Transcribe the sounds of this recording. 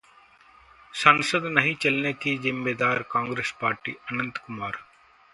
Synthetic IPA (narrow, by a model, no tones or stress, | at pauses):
sənsəd̪nɐɦĩt͡ʃɐlnekizɪmːeːd̪aːɾkãːŋɡɾeːspaːɾʈḭːənə̃nt̪kʊmaːɾ